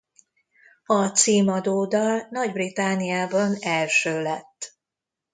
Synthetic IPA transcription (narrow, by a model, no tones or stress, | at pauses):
ɒt̪siːmɒd̪oːd̪ɒlnɒɟbrit̪anːijaːbɒnɛlʃøːlɛt̪ː